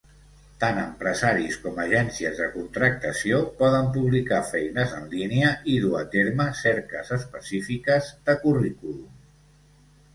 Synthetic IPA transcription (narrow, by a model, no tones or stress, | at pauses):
t̪anəmpɾəzaɾiskɔməʒɛnsiəzðəkunt̪ɾək̚t̪əsiopɔðəmpuβlikafɛjnəzə̰nliniəʔiðua̰t̪eɾməsɛɾkə̰zəspəsifikəzd̪əkurikulum